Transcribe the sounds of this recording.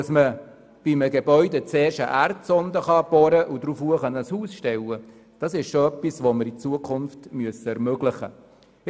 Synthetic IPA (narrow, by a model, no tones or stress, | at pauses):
smə | b̥iməɡebœʏdɛt͡seːɾʃə̰ʔæɾtsɔnd̪əχɑb̥ɔɾəʔudɾufuəχɑnəshuːsʃtɛwə | d̥ɑsɪʃʃoœpːisʋoməɾit͡suəkʰχʊnftmyəsəɛɾmøɡlɪχə̰